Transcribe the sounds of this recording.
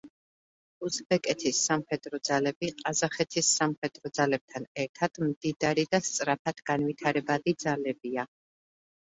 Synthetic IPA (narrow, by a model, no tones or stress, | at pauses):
usbɛkʼɛt̪ʰisːamχɛd̪ɾɔd̪zalɛbiqʼazaχɛt̪ʰisːamχɛd̪̥ɾɔd̪zalɛb̚t̪ʰanɛɾt̪ʰad̪̥md̪id̪aɾid̪ast̪sʼɾapʰad̪̥ɡ̥anvit̪ʰaɾɛbad̪id̪zalɛbia